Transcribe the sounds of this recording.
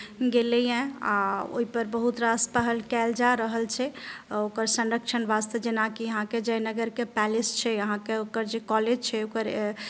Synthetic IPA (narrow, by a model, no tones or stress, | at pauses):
ɡelɛjẽa̰o̰ɦipəɾbəɦut̪ɾaspəɦəlkɛld͡ʒaɾəɦəlt͡ʃʰɛokəɾsə̃nɾəkt͡ʃʰənbast̪əd͡ʒenakiəɦãked͡ʒəjnəɡəɾkepɛlest͡ʃʰɛəɦãkeokəɾd͡ʒekɔled͡ʒt͡ʃʰɛokəɾ